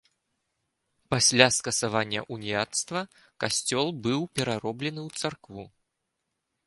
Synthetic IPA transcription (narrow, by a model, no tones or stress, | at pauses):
pasʲlʲaskɐsavanʲːɐ̰ʔunʲijat̪st̪vɐ | kasʲt͡sʲɔlˠbɨwpʲɛɾaɾɔblʲɛnɨwt̪sarkvu